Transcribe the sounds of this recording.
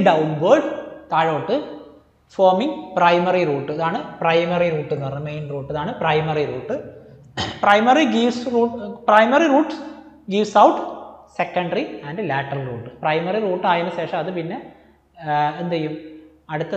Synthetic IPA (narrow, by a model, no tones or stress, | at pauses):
ɖɐwnbɐːɖt̪aːɻoːʈːɨ | foːmiŋɡprɐjmɐriruːʈːɨɐðaːɳɨprɐjmɐriruːʈːenːʋɐrmejnruːʈːɐðaːɳɨprɐjmɐriruːʈːɨ | prɐjmɐriɡiʋsruːprɐjmɐriruːʈː | ɡiʋsɐwʈsekːɐɳɖɐriɐːnɖɨlaːʈːɐlruːʈːɨprɐjmɐriruːʈːaːjɐnɨɕe̞ːʂɐmɐðɨpinːe̞ | end̪ɐjum | ɐɽut̪ːɐ